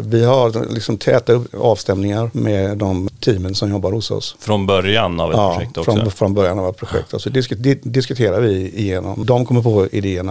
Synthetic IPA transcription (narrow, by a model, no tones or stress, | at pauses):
vɪɦaɾlɪksɔmt̪ʰɛːt̪aɵpːɑːvst̪ɛmnɪŋaɾmɛd̪ɔmt̪ʰiːmənsɔmjɔbːaɾhʊsɔ̰sfɾɔnbœɾjana̰vɛɑːɛɔfɾɔfɾɔnbœɾjanavɛt̪pʰɾʊɧɛ̰k̚t̪ɔsɔd̪ɪskd̪d̪ɪskɵt̪ʰeːɾaɾvɪɪjeːnɔ̰md̪ɔmkʰɔmːəɾpʰɔɪ̰d̪eːəɳa